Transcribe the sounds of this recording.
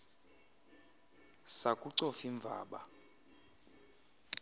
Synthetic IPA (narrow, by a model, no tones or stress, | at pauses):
sakʼuǀɔfiɱb̪vʱa̰ːɓa̰